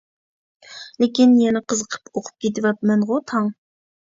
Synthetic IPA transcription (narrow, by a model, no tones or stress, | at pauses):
lekʲinjɛnɪqʰəzəqʰə̥poqʰʊ̥p̚kʲet̪ɪvɑp̚mɛnʁʊt̪ʰɑŋ